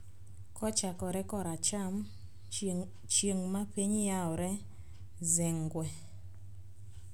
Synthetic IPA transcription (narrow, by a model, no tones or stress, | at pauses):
kɔt͡ʃakɔɾɛkɔɾat͡ʃam | t͡ʃeŋmapeɲjaɔɾɛ | zɪŋɡwɛ